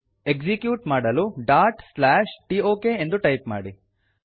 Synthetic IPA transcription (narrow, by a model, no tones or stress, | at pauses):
ekd͡ʒikjuːʈmaːɽɐluɖaːɾʈslaːʂʈioːkeend̪uʈɐjpma̰ːɽi